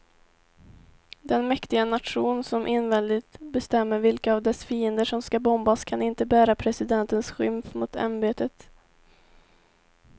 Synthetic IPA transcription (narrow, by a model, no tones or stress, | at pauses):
d̪ɛnmɛkt̪ɪɡanat̪ɧuːnsɔmʔɪnvɛnd̪ɪt̪bɛst̪ɛmːəɾvɪlkaːvd̪ɛsfiːənd̪əʂɔmskabɔmbaskʰanɪnt̪əbæːɾapʰɾɛsɪd̪ɛnt̪ənsɧʏmfmʊt̪ʰa̰nbeːt̪ət̪